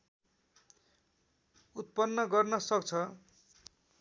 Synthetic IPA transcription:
ut̪̚pʌnːʌɡʌrnʌsʌkt͡sʰʌ

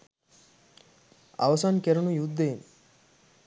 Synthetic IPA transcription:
a̰ʋɐsankeɾunujud̪ːein

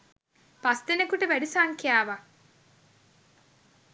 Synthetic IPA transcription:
past̪enekuʈəʋæɖisaːŋkijaːʋa

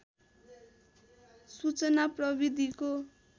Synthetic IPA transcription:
sut͡sʌnaprʌbid̪ʱiko

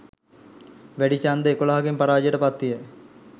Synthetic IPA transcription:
ʋæɖit͡ʃand̪əekolaɦakempaɾaːd͡ʒjəʈəpat̪ːijə

